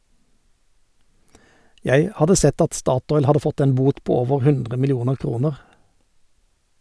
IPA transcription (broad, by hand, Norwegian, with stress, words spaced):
ˈjæɪ ˈhɑdə ˈsɛt ˈɑt ˈstɑːˌtɔʏl ˈhɑdə ˈfɔt ˈeːn ˈbuːt ˈpoː ˈoːʋəʁ ˈhʉndʁə mɪlɪˈuːnəʁ ˈkʁuːnəʁ